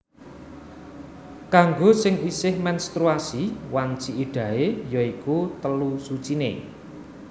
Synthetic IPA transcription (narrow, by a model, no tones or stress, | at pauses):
kaŋɡosɪŋisɪhmɛnst̪ɾuasiwant͡ʃiiɖ̥ä̤ejɔikut̪əlusut͡ʃine